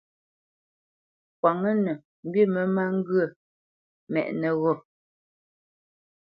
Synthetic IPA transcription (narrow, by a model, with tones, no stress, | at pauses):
k̚wa˨ŋə˦nə˨ | m̩˦bji˦˨mə˨˦ma˦ŋ̩˦ɡɰə˦˨ | mɛ̰˨ʔnə˨ɣɔ˦˨